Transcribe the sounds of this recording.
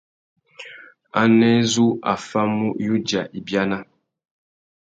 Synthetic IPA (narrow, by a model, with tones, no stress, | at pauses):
a˦nɛ˦zu˦a̰˨fa˦mu˦ju˦d͡ʒa˨ʔi˨bja˦na˦